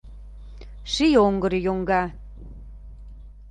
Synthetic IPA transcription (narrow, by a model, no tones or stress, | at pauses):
ʃijoŋɡɤɾijoŋɡɑ